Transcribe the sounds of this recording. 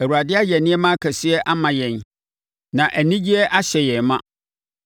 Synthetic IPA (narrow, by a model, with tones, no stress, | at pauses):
æ˨wu˨a˨dɪ˦a˦jɛ˨nɪ̃˦ɛ˦mã˦kʰæ˨sɪ˦ɛ˦ʔa˦mã˨jɛ̃˨n | nã˨ʔæ˨nĩ˦d͡ʑi˦ɛ˦ʔa˦ɕɛ˨jɛ̃˨mã˦